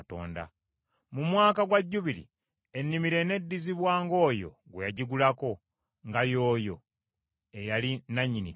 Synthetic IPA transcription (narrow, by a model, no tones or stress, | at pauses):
to̰ːnda̰ | mumwaːkaɡwaɟːuβilḭ | e̞nːimiɾe̞ne̞dːiziβwaːŋɡo̞ːjo̞̰ɡwejaɟiɡulako̞ | ŋɡajo̞ːjo̞ | ejalinaɲːini